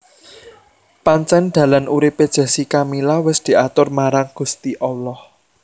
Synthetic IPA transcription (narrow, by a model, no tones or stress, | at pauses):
paɲt͡ʃɛnd̪̥ä̤lanʔuɾiped̥ʒ̥ä̤sikamilawɪsd̪̥i̤ʔat̪ʊrmaɾaŋɡ̥ṳst̪iʔɔlɔh